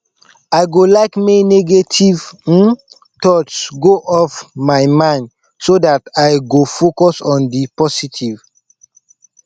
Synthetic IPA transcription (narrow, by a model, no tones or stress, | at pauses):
aɪɡolaɪkmeneɡetʰiv̩ | tɔtsɡoʔɔfmaɪmãɪ̃nd | sodataɪɡofokɔsɔ̃ndipɔsitʰiv